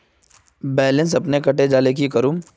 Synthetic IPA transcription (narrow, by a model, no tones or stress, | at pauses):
bɛːlɪ̃ns̬ɐpnekɐʈed͡ʒaːlekikɐɾum